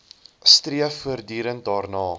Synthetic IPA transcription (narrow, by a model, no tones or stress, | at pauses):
striəfuərdyːɾənt̚dɑːrnɑː